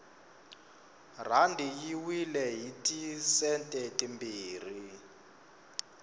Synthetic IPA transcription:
r̤andʱijiwilɛjitʼisɛntʼɛtʼimbiːr̤i

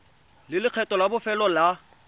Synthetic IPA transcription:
lɪlɪq͡χʰɛtʼɔlabʊfɛlɔla

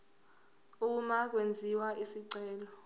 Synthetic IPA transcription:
uk̬umak̬wend͡zʱiwaisiǀɛːlɔ

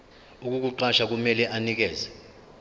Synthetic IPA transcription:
uk̬uk̬uǃaʃak̬umɛlɛʔanik̬ɛːzɛ

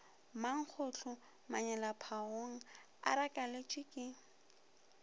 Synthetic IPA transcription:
maŋ̩k͡xʰʊt͡ɬʰʊ | maɲɛlapʰaoŋ̩ | a̰ɾakʼalet͡ʃʼɪkʼɪ

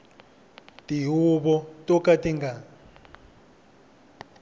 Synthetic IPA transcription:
tʼiɦuɓɔtʼɔkʼatʼiŋɡʱa

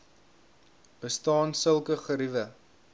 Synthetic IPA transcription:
b̥əstɑːnsəlˠkəχəɾivə

